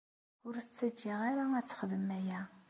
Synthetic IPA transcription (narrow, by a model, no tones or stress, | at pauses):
ʊɾst͡sːæd͡ʒiʁaɾaæt͡sːχəðəmæjæ